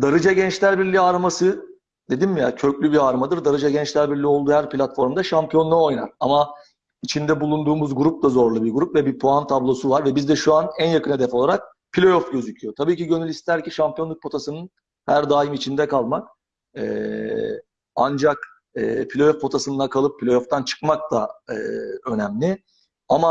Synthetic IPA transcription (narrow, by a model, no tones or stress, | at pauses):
d̪aɾɯd͡ʒaɟɛnt͡ʃlʲæɾbiɾlʲiaːɾamasɯ | d̪e̞d̪inmijacʰø̞clʲybiɾaːɾmad̪ɯɾd̪aɾɯd͡ʒaɟɛnt͡ʃlʲæɾbiɾlʲio̞lˠd̪uhæɾplʲat̪fo̞ɾmd̪aʃampʰijo̞nnao̞jna̰ɾama | it͡ʃʰind̪ɛbulˠund̪uːmuzɡuɾup̚d̪azo̞ɾlˠubiɾɡuɾupvɛbipʰoant̪ʰablˠo̞suvaɾvɛbizd̪ɛʃuanænjakʰɯned̪ɛfo̞lˠaɾak̚ | pʰilʲo̞jofɟø̞zycʰyjo̞t̪ʰabiːciɟø̞nylʲist̪ʰæɾciʃampʰijo̞nˠuk̚pʰo̞t̪ʰasɯnɯn | hæɾd̪aːimit͡ʃʰind̪ɛkʰalˠmak̚ | ɛ̰ː | and͡ʒak | ɯːpʰilʲo̞jofpʰo̞t̪ʰasɯnakʰalˠɯpʰːilʲo̞joft̪ʰant͡ʃʰɯ̥kmak̚t̪aɯø̞nɛmlʲɪ | ama